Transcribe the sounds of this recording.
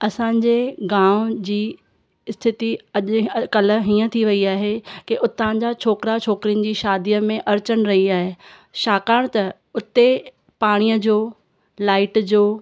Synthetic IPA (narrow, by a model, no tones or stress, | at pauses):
ɐsãːɲd͡ʑeɡãːʊ̃d͡ʑiː | ɪst̪ʰɪt̪iɐʄkɐlə̆ɦiːə̃t̪ʰiʋɐiaːɦekeʔʊt̪ãːd͡ʑat͡ɕʰoːkɪɾat͡ɕʰoːkɾijənɪ̆d͡ʑiːʃaːd̪ijəmẽʔɐɾt͡ɕəɽ̃ɾɐɦiaːɦeː | ʃaːkaːɽ̃t̪ɐ | ʊt̪e | paːɽ̃ijəd͡ʑoː | laːɪʈd͡ʑoː